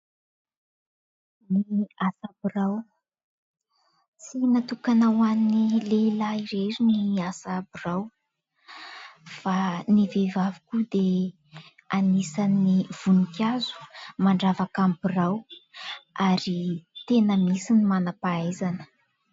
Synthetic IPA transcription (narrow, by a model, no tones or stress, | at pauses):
niasabiraw | t͡sinat̪ukanawanilelaiɾeɾiniasabiraw | fanivevavikud̪e | anisaniv̥unikʲazu̥maɳɖ͡ʐavakambiraw | aɾit̪enəmisinimanapaajzanə̥